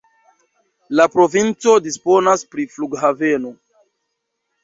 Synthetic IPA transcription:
lapɾo̞vint͡so̞dispo̞naspɾifluɡhave̞no

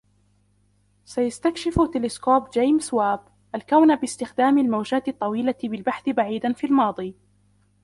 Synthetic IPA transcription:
sajast̪akʃɪft̪ɪlɪskoːbd͡ʒejmswaːb | ʔalkawnabɪst̪ɪxd̪aːmalmawd͡ʒaːt̪ɪt̪ˤːɑwiːlabɪlbaħθɪbaʕiːd̪anfiːlmɑːd̪ˤiː

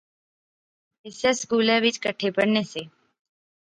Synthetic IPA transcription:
ɪsjaskuːlãʋɪt͡ʃkəʈʰepəɽneseː

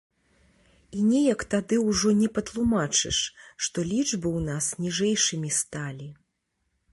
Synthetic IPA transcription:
inʲɛjɐkt̪ad̪ɨwʐɔnʲɛpɐt̪lˠumat͡ʂɨ̰ʂʂt̪ɔlʲiʐbɨwnasnʲiʐɛjʂɨmʲist̪alʲi

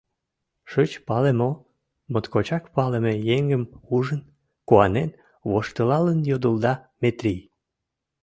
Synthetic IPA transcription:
ʃət͡ɕpɑlemo | mot̪kot͡ɕɑkpɑləmejeŋɡəmuʒən | kuɑnen | βoʃt̪əlɑlənjod̪əld̪ɑ | met̪ɾij

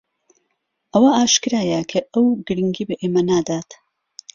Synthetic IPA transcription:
ʔɐwaaːʃkɨɾaːjɐkʰɐɐwɡɨɾɨŋɡiːbɐʔeːmɐnaːd̪aːt̪

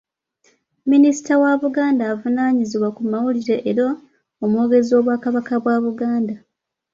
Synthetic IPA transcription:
minisi̥tawaβuɡaːndaːvunaːɲiziβwakumawuliɾe̞ʔːɾo | omwo̞ːɡe̞zo̞ːβwaːkaβakaβwaːβuɡaːnda

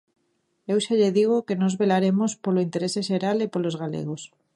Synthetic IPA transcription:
ewʃaʎeðiɣ̞okenozβelaɾemospoloint̪eɾeseʃeɾalepolozɣalḛɣ̞os

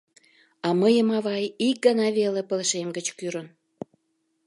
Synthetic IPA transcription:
ɑməjəmɑβɑjik̚ɡənɑβelepəlʃemɡət͡ɕkyɾən

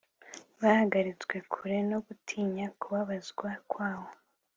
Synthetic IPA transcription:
βahaɡaɾit͡sɡwe̞kʰuɾe̞no̞ɡutʰiːɲakuβaβazɡwakwaːβo̞

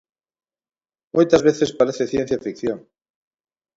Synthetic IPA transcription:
mojt̪azβeθe̞spaɾeθeθje̞n̟θjafikθjoŋ

